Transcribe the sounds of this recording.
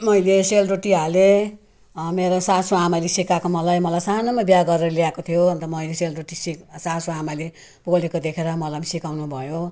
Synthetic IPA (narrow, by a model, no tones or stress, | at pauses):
mʌjleselroʈiale | meɾosasoamalesikakomʌlajmʌlajsanʌmabjaɡʌɾeɾʌliakot̪ʰijoʌnt̪ʌmʌjleselroʈisiksasoamale | b̥olekod̪ekʰeɾʌmʌlajmisikawnubʱʌjo